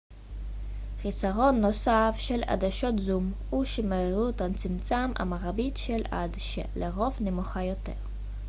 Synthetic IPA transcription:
χisaʁo̞nːo̞safʃela̰d̪aʃo̞tzum | uʃemeʁiʁut̪ant͡simt͡samʔa̰maʁabitʃeladʃḛleʁo̞vnemoχajo̞te̞̰ʁ

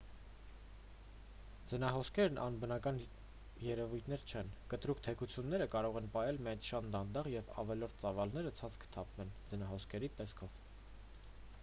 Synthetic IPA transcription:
d͡zənɑɦɔskʰɛɾnʔɑ̰nbənɑkɑn | jɛɾɛvujt̪ʰnɛɾt͡ʃʰɛnkət̪ɾukt̪ʰɛkut͡sʰjunːɛɾəkɑɾɔʁɛnpɑjɛlmiɑjnʃɑnd̪ɑnd̪ɑʁjɛvɑ̰vɛlɔɾt̪̚ʰt͡sɑvɑlnɛɾət͡sʰɑnt͡sʰkʰə̥t̪ʰɑpvɛnd͡zənɑɦɔskʰɛɾit̪ɛskʰɔv̥

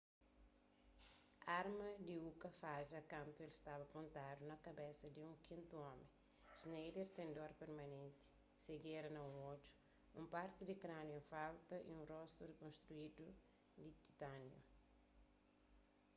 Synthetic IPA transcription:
aɾmɐd̪iukɐfaʒɐkãnt̪uelst̪abɐkõnt̪adunɐkɐbesɐd̪iũŋkĩnt̪uɔmẽ | ʒnejdeɾt̪ẽnd̪oɾpeɾmɐnẽnt̪i̥ | seɡeɾɐnɐũot͡ʃu̥ | ũmpaɾt̪id̪ikɾanjofalt̪ɐʔḭũnrɔst̪uɾekõnst̪ɾuidu | d̪it̪i̥t̪anjo̰

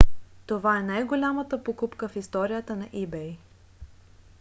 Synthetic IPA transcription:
t̪ovaɛnajɡolʲamət̪əpokupkəfist̪ɔɾijət̪ənɐʔibɛj

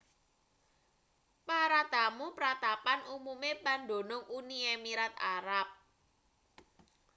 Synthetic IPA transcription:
paɾad̪̥amupɾat̪apanumumepand̪o̤nʊŋuniemiɾat̪a̰ɾap̚

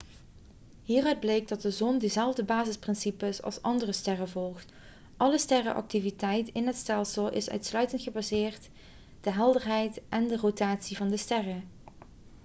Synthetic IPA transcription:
ɦiːrœɥd̚blejɡ̚dɑt̚dəzɔndəzɛlˠvdəbaːzɪsprɪnsipəsɑ̰lˠsɑndərəstɛrəvɔlˠxt | ʔɑləstɛrə̰ʔɑ̰k̚tivitɛjtɪnɦətstɛlˠsəlˠɪ̰sœ̰ɥtslœɥtəntχəbazɪːrt | d̥əɦɛlˠdəɹɦɛjtʔɛndərotaːtsivɑndəstɛrə

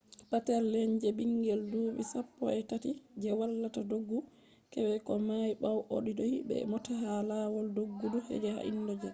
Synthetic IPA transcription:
patɛɾlɛɲd͡ʒɛbiŋɡɛlduɓḭsapːɔ̰ɛtatid͡ʒɛwalːatadoɡːu | kɛwɛkɔmajɓawʔo̰ɗidɔhibɛ̰mɔtaɦalawɔldoɡːudɔhɛ̰d͡ʒɛha̰ʔḭndɔd͡ʒɛ

